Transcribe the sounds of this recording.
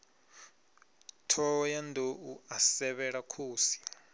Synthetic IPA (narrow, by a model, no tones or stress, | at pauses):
tʰɔjandʱouasɛβɛɺakʰoːsi̥